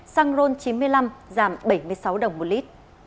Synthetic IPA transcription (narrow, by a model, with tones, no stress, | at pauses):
saː˧ŋzo˧nt͡ɕi˨˦nmɨ˧əjla˧mzaː˧˩mɓə˧˩jmɨ˧˩əjsa˨˦wɗə˨˩wŋ͡mmo˨˩t̚li˦˥t̚